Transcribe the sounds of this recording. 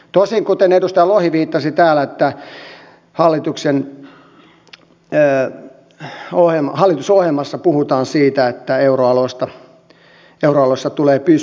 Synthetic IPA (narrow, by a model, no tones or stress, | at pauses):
t̪osiŋkut̪enedust̪ɑjɑlohiʋiːt̪ːɑsit̪æːlæet̪ːæ | hɑlːit̪uksen | ohemhɑlːˑit̪usohemɑsːɑpuhut̪ɑːnsiːt̪æet̪ːæeuroɑloist̪ɑ | euroɑlosːɑt̪uleːpys